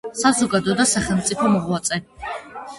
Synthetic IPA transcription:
sazɔɡad̪ɔd̪asaχɛlˠmt̪sʼipʰɔmɔʁwat̪sʼɛ

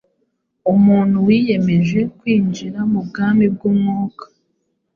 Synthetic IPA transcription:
umuːn̥huwiːje̞me̞ʒe̞kwiːnd͡ʒiɾamubɡaːmbib̚ɡumŋuːkḁ

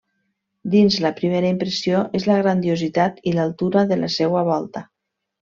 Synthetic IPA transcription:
d̪inzləpɾimeɾaimpɾəsioʔezlaɣɾand̪iozit̪at̪ilalˠt̪uɾaðəla̰sɛwaβɔlˠt̪a

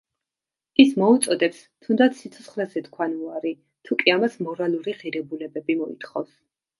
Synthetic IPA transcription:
ismɔut̪sʼɔd̪ɛps | t̪ʰund̪at̪sʰːit̪sʰɔt̪sʰχlɛzɛt̪kʰwanuaɾi | t̪ʰukʼiamasmɔɾalˠuɾiʁiɾɛbulɛbɛbimɔḭt̪ʰχɔfs

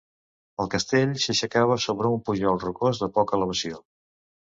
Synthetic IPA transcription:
əlˠkəst̪eʎsəʃəkaβ̞əsoβɾəumpuʒɔlˠrukozðəpɔkələβ̞əsio

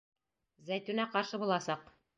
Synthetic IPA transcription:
zæjt̪ʉnæqɑɾʃɤbulˠɑsɑq

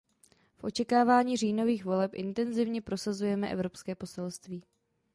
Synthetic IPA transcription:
fʔo̞t͡ʃɛkaːvaːɲiːriːno̞viːxvo̞lɛpʔɪnt̪ɛnzɪvɲɛpɾo̞sazujɛmɛʔɛ̰vɾo̞pskɛːpo̞sɛlst̪viː

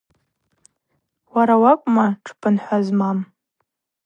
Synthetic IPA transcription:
waɾawakʷʼmaʈ͡ʂʰpʰʼɨnħʷazmam

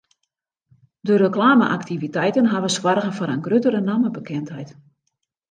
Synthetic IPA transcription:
dəɾəklaːmə̰ʔaktivitɛjtənɦaʋəswarɣəfoɾənɡrøtəɾənaməbəkɪntɦɛjt

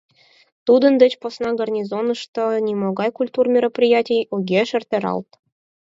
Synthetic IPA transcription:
t̪ud̪ə̆nd̪ɘ̆t͡ɕposnɑɡɐrnʲizonɤ̆ʃt̪onʲimoɡɑjkulʲt̪urmʲeɾə̆prʲijatʲijuɡʲeʃɘ̆rʲt̪ʲeɾɑ̰lˠt̪

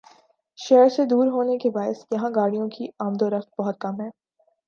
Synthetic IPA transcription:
ʃɛːɾsed̪uːɾɦoːnekebaːɪsjɐɦãɡaːɽijõkiaːmd̪oɾɐft̪̚bɐɦʊt̪̚kɐmɦɛː

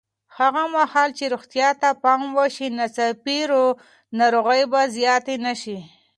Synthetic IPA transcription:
haɣamahɑlt͡ʃeɾoxt̪jɑt̪apɑmwəʃinat͡sapiɾo | naɾoɣajbazjɑt̪enaʃi

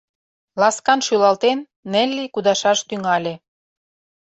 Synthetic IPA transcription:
lɑskɑnʃylɑlt̪enːĕlʲːikud̪ɑʃɑʃt̪yŋɑlʲe

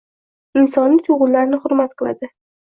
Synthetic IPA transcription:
ɪnsɒnlːɪt̪ʰʊʁʊnlaɾnɪhʊɾmat̪qʰɨlˠa̰d̪ɪ

